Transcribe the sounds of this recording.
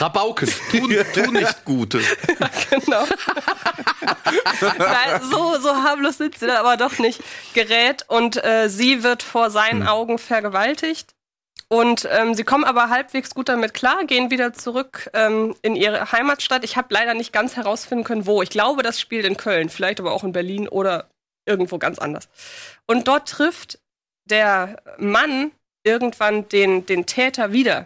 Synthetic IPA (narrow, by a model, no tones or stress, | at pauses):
abaʊkʰənʰuːtʰuːnɪçtɡ̥uːtʰəɡ̥ənaʊ | naɪnzoːzoːɦaːbloːsz̥ɪntz̥iːdanʔaːbɐdɔχnɪçtɡ̥əʁɛːtʔʊntʔɛːziːvɪɐtfoːɐzaɪnənʔaʊɡŋ̩fɛɐɡəvaltʰɪçt | ʔʊntʔɛːmziːkʰɔmənʔaːbɐɦalpv̥eːksɡ̥uːt̚d̥amɪtkʰl̥aːɐɡeːənviːdɐt͡suʁʏkʔɛːmʔɪnʔiːʁ̞ə̰haɪmaːtʃtatɪçhaːbəlaɪɾɐnɪçt̚ɡ̥ant͡shɛʁ̞aʊsfɪndn̩kʰœnənvoːɪçɡ̥laʊbədasʃpiːltɪnkʰœlnfɪlaɪçtaːbɐʔaʊxɪnbɛɐliːnʔo̰ːɾɐ | ʔɪɐɡŋ̩tv̥oːɡa̰nt͡sʔa̰ndɐ̰sʔʊnt̚d̥ɔɐtːʁ̥ɪft | d̥eːɐman | ʔɪɐɡŋ̩tv̥and̥eːndeːntʰɛːtʰɐviːdɐ̰